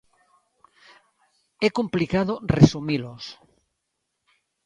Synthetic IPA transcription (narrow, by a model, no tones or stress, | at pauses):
ɛkomplikaðoresumilos